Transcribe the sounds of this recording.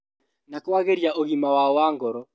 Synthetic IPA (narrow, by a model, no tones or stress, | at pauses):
nakɔwaɣeɾjaʔoɣimawaɔwaŋɡɔɾɔ